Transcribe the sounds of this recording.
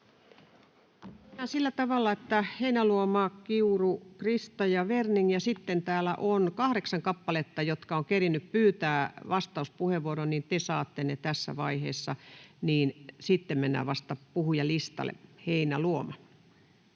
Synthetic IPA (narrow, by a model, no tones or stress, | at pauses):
menːæːsilːæt̪ɑʋɑlːɑet̪ːæheinæluomɑːkiurukrist̪ɑjɑʋerniŋjɑsit̪ːent̪æːlæ̰ʔonkɑhɾeksɑŋkɑpːɑlet̪ːɑjot̪kɑoŋkerinːyppyːt̪æːʋɑst̪ɑuspuheʋʋuoɾonnint̪esɑːt̪ːenːet̪æsːæ̰ʋɑihḛːsːɑniːnsit̪ːemmenːæ̰ːʋɑst̪ɑpuhujɑlist̪ɑ̰lḛheinæluomɑ